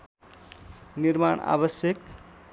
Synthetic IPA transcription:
niɾmaɳa̰bʌsjʌk

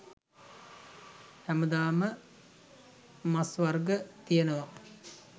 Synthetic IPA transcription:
hæməd̪aːmə | masʋarɡət̪ijenəʋa

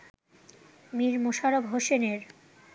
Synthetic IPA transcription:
miɾmoʃaɾobɦoʃeneɾ

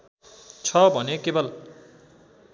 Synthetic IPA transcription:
t͡sʰʌbʱʌnekebʌl

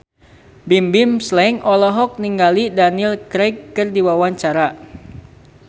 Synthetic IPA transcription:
bimbimslɛŋɔlɔɦɔk̚niŋɡalidanilkɾɛjkːɨrdiwawaɲt͡ʃaɾa

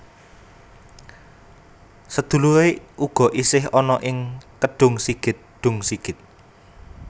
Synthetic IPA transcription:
səd̪̥ṳlueuɡ̥ɔ̤ʔisɪɦɔnɔʔɪŋkəɖ̥ʊ̤ŋsiɡ̥ɪ̤t̪̚ɖ̪̥ʊ̤ŋsiɡ̥ɪ̤t̪̚

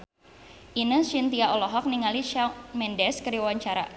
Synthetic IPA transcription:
ʔinəsint̪iaɔlɔɦɔk̚niŋaliʃamɛndɛskəɾiwaɲt͡ʃaɾa̰

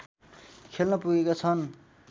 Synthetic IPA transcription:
kʰelnʌpuɡekat͡sʰʌn

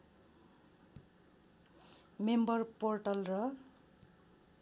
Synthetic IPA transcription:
membʌrporʈʌlrʌ

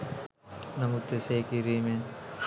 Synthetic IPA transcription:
nɐmut̪ːeseːkiɾimen

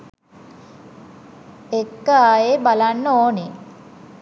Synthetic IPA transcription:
ekːəajebalanːoːni

